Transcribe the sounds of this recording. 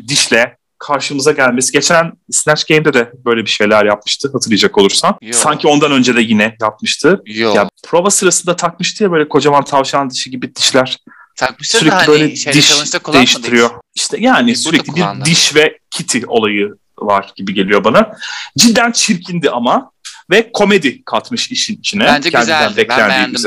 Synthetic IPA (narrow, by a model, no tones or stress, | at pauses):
d̪iʃlʲɛ | kʰaɾʃɯmɯzaɟælʲme̞siɟe̞t͡ʃʰænsnæt͡ʃɡejmd̪ɛd̪ɛbø̞jlʲebiʃe̞jlʲæɾjap̚mɯ̥ʃt̪ʰɯɦat̪ʰɯɾlɯjad͡ʒako̞lˠuɾsansaɲcʰio̞nd̪anø̞nd͡ʒɛd̪ɛjinɛjap̚mɯʃt̪ʰɯjapʰɾovasɯɾasɯnd̪at̪ʰakmɯʃt̪ʰɯjabøjlʲɛkʰo̞d͡ʒavant̪ʰavʃand̪ɯʃiɟibid̪̥iʃlʲæɾ̥ | syɾɛc̚iibø̞jlʲɛd̪iʃd̪e̞jiʃt̪ʰiɾijoiʃt̪ʰɛjaːnisyɾɛclʲibiɾd̪iʃvɛcʰit̪ʰio̞lˠajɯ | va̰ɾ̥ɟ̥ibiɟe̞lijo̞banad͡ʒid̪ːænt͡ʃʰiɾcʰind̪iʔama | vɛkʰo̞me̞d̪ikʰat̪mɯʃiʃinit͡ʃʰinɛcʰɛnd̪iænbɛclʲænd̪iː